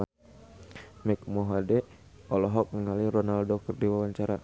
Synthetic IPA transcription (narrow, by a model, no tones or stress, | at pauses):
mɛk̚mɔɦadɛ | ɔlɔɦɔk̚ŋəŋalirɔnaldɔkərdiwawaɲt͡ʃaɾa